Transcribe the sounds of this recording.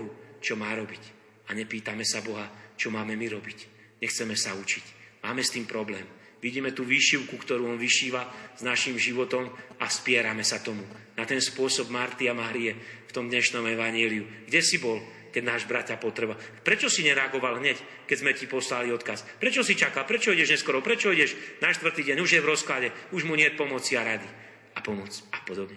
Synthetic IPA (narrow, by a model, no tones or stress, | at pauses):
ɦut͡ʃɔmaːɾɔbic | aɲɛpiːt̪amɛsabɔɦat͡ʃɔmaːmɛmiɾɔbic | ɲɛxt͡sɛmɛsaut͡ʃicmaːmɛst̪iːmpɾɔblɛːm | ʋiɟiːmɛt̪uːʋiːʃiʊkukt̪ɔɾuːɔnʋiʃiːʋaz̥naʃimʒiʋɔt̪ɔmafspɪɛɾamɛsat̪ɔmunat̪ɛnspʊɔsɔbmaɾt̪iamaːɾiɛft̪ɔmd̪ɲɛʃnɔmɛʋaɲɪɛliuɡɟɛsibɔl | kɛɟnaːʒbɾat̪apɔt̪ɾɛbapɾɛt͡ʃɔsiɲɛɾɛaɡɔʋalɦɲɛc | kɛzmɛcipɔslaliɔt̪kaspɾɛt͡ʃɔsit͡ʃakalpɾɛt͡ʃɔidɛʒɲɛskɔɾɔpɾɛt͡ʃɔidɛʃnaʃt̪ʋr̩t̪iːɟɛɲuʒjɛvɾɔsklaɟɛuʒmuɲɪɛt̚pɔmɔt͡siaɾad̪i | apɔmɔt͡sapɔd̪ɔbɲɛ